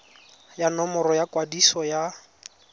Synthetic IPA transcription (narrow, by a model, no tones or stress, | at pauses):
janɔmɔrɔjakʼwadisɔja